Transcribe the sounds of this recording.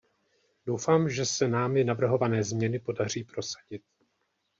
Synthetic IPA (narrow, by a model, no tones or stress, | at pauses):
dowfaːmʒɛsɛnaːmɪnavr̩ɦo̞vanɛːzmɲɛnɪpo̞dar̝iːpɾo̞sḁɟɪt̪̚